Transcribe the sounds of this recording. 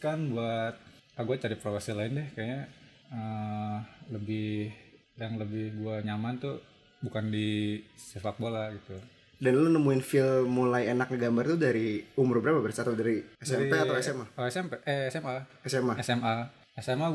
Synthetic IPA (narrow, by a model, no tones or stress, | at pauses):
kanbuat̪̚aɡuat͡ʃaɾipɾofasilaɪndɛhkaɲa | ə | ləbɪh | jaŋləbɪhɡuaɲamant̪u | bukandisefak̚bolaɡit̪u | danlonəmuɪnfɪlmulajenak̚nəɡambart̪udaɾiumʊɾrbəɾapabərsat̪adaɾiɛsdɛmipɛat̪awɛsɛmaoɛsɛmpɛʔɛɛsɛmaɛsɛmaɛsɛma | ɛsɛma